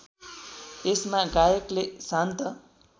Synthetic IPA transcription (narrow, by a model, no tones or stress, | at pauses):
esmaɡajʌklesant̪ʌ